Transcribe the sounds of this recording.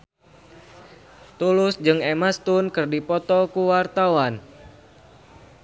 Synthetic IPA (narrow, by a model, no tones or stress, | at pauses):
t̪ulʊsd͡ʒɨŋemast̪unkɨrdipɔt̪ɔkuwart̪awan